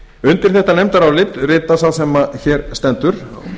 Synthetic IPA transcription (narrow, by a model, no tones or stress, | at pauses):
ʏnt̪ɪɾ̥θɛht̪anɛjmt̪aɾawlɪt̪rɪːt̪asawsɛmːaçɛɾst̪ɛnt̪ʏɾ̥